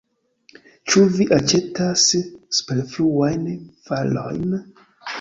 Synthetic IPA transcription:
t͡ʃuviʔat͡ʃe̞tasspelfluwajnfalo̰jn

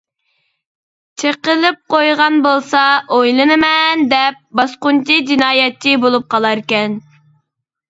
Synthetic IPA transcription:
t͡ʃʰeqəlˠɨp̚qojʁɑnbolˠsɑojlˠɨnɨmɛnd̪ɛp̚bɑsqʊnt͡ʃid͡ʒinɑːjɛtʰːibolˠup̚qɑlˠɑɾkʲɛn

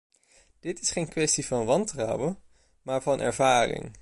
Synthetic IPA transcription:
d̥ɪtɪsχejnkʋɛstivɑnʋɑntrʌwə | maːɹvɑnʔɛ̰ɹvaːrɪ̰ŋ

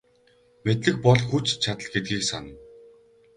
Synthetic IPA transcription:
met̪ɮɘ̆k̚pɔɮxut͡ɕt͡ɕʰat̪ə̆ɮɡet̪̚ɡiːksa̰nə̆

